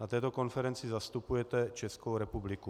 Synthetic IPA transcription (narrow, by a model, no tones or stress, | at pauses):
nat̪ɛːt̪oko̞nfɛɾɛnt͡sɪzast̪upujɛt̪ɛt͡ʃɛskowɾɛpublɪku